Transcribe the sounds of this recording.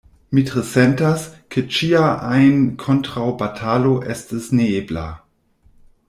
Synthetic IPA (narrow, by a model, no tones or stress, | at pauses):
mitʁesentaskʰet͡ʃiaʔajnkʰontʁawbatʰaloʔḛstisneebla̰